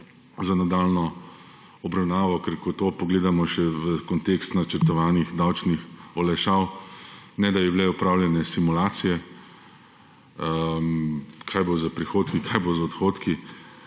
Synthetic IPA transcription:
zanad̪aːlnɔ | ɔbɾawnaːʋɔkɛɾkɔt̪oːpɔɡleːd̪amɔʃɛʋəkɔnt̪ekst̪nat͡ʃəɾt̪ɔʋaːnixd̪awt͡ʃnixɔlɛʃaw | nɛd̪abiblɛɔpɾaːwljɛnɛsimulaːt̪sijɛ | mkʰajbozapɾixoːt̪kikʰajbozaɔt̪xoːt̪ki

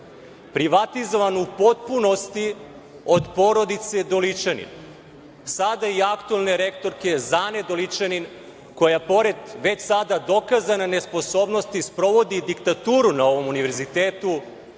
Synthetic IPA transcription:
pɾiʋat̪izo̞ʋanoupo̞t̪̚puno̞st̪i | o̞d̪po̞ɾo̞d̪it̪se̞d̪o̞lit͡ʃanḭn | sad̪aiakt̪uelˠne̞ɾe̞kt̪o̞ɾke̞zaːned̪olit͡ʂanin | ko̞japo̞ɾe̞d̪ʋe̞t͡ɕsad̪ad̪o̞kazananespo̞so̞ːbno̞st̪ispɾo̞ʋo̞d̪id̪ikt̪at̪uːɾunao̞ʋo̞muniʋe̞ɾzit̪eːt̪u

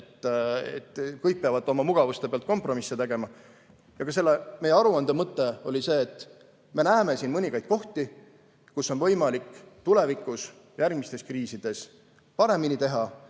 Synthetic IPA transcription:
t̪ːḛt̪ːˑkɤjk̚peɑvɑt̪ˑːo̞mɑmuɡ̥ɑvust̪peɑlt̪ko̞mpro̞misːet̪e̞ɡ̥e̞mɑ | jɑɡ̥ɑse̞lːeme̞jeɑɾuɑnd̪̥ɑmɤt̪ːˑe̞o̞lʲise̞ːt̪ːˑ | me̞næːme̞siːnmɤnʲiɡ̥ɑjd̪̥̚ko̞ht̪i | kuso̞nvɤjmɑlikːˑt̪ule̞vikˑus | jærɡ̥mist̪e̞skriːsid̪̥e̞s | pɑɾe̞minit̪e̞ɦɑ

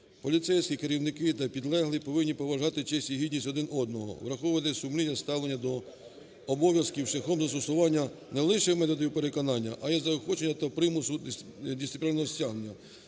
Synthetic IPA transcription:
pɔlʲit̪sɛjsʲkʲikeɾʲiwnɪkɪt̪ɐpʲid̪lˠɛɦlˠɪpɔʋɪnʲːipɔʋɐʒɑt̪ɪt͡ʃɛsʲiɦid̪ʲnʲisʲɔd̪ɪnɔd̪nɔɦɔ̰ʋɾɐxɔʋɐt̪ɛsʊmlʲinʲɐst̪ɑwlˠenʲːɐd̪ɔ | ɔbɔʋʲjɐskʲiwʃlʲɐxɔmzɐst̪ɔsʊʋɑnʲːɐnɛlˠɪʃɛmɛt̪ɔd̪ɔjuwpeɾekɔnɑnʲːɐʔɐjɛzɐɔxɔt͡ʃenʲːɐt̪ɐpɾɪmʊsʊdʲissɪpʲlʲinɔɦɔsʲtʲaɦnenʲːɐ

